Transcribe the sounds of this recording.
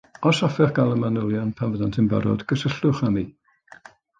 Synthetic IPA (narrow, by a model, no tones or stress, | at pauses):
ɔsɔfɛχɡ̥alˠəmanəlˠjɔnpʰanvəðantʰɪnba̰ɾɔ̰dɡəsəɬʊχami